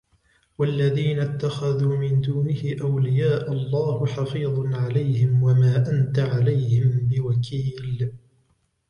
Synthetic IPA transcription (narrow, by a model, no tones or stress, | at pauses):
walːaðiːnat̪ːaxaðuːmɪnd̪uːnɪhɪʔawlɪjaːʔalˤːɑːhħɑfiːðˤnʕalajhɪmwamaːʔant̪aʕalajhɪmbɪwakʰiːl